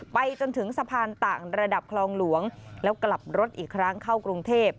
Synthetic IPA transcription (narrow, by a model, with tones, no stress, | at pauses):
pa˧jt͡ɕo˧nt̪ʰɯ˩˦ŋsa˧pʰaː˧nt̪aː˨˩ŋɾa˧da˨˩p̚kʰlɔː˧ŋlu˩˦əŋlɛː˦˥wkla˨˩p̚ɾo˦˥t̪̚ʔiː˨˩kʰɾa˦˥ŋkʰa˥˩wkɾu˧ŋt̪ʰeː˥˩p̚